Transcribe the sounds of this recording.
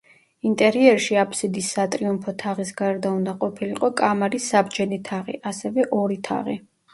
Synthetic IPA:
int̪ʼɛɾiɛɾʃiapʰsid̪isːat̪ʼɾiumpʰɔt̪ʰaʁisɡaɾd̪aund̪aqʼɔpʰiliqʼɔkʼamaɾisːabd͡ʒɛnit̪ʰaʁḭʔasɛvɛʔɔɾit̪ʰa̰ʁḭ

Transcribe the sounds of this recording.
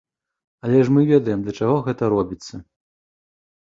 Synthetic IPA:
ɐlʲɛʂmɨvʲɛd̪ɐjɛmd̪lʲɐt͡ʂaɣɔɣɛt̪ɐɾɔbʲit̪sːɐ

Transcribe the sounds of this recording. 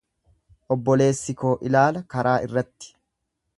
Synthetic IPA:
ʔɔbːɔle̞ːsːɪko̞ːʔɪlaːlɐkɐɾʔaːʔɪ̰rːɐt̪ːɪ̥

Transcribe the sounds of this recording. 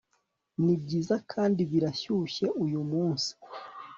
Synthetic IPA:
nib̚ɟiːzakʰaːndiβiɾaçuːçe̞ʔujumuːnsi̥

